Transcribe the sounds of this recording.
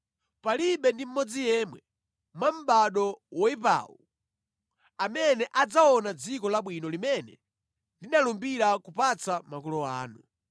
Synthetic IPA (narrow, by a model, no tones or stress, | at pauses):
paliɓɛndim̩mɔd͡zijɛːmwɛ | mwam̩ɓaɗɔwɔipa̰ːwu | amɛnɛʔad͡zaɔnad͡zikɔlaɓwinɔlimɛnɛ̰ | ndinalumbiɾakupat͡samakulɔa̰ːnu